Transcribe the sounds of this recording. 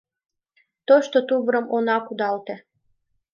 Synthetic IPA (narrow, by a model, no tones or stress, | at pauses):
t̪oʃt̪ot̪uβɾəmonɑkud̪ɑlt̪ĕ